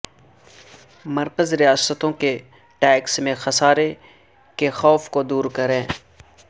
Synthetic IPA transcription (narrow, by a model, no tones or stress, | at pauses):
mɐɾkəzɾijaːsət̪õke | ʈɛːksmẽxɐsaːɾe | kexɔːfkod̪uːɾkɐɾẽː